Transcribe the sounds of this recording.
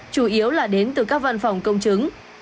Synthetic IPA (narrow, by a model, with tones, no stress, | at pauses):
t͡ɕu˧˩ʔi˨˦əwlaː˨˩ɗe˨˦nt̪ɨ˨˩kaː˦˥k̚va˧nfa˨˩wŋ͡mkə˧wŋ͡mt͡ɕɨ˨˦ŋ